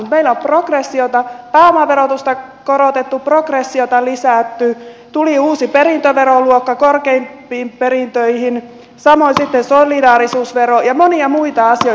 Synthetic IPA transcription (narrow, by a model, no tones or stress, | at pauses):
ut̪meilomproɡresːiot̪ɑpæːomɑʋeɾot̪ust̪ɑ | koɾot̪et̪ːuprokresːiot̪ɑlisæt̪ːyt̪uliuːsiperint̪øʋeɾoluokːɑkorkeimpiːmpeɾint̪øihin | sɑmoinsit̪ːensolidɑːɾisuːsʋeɾojɑmoniɑmuit̪ɑɑsio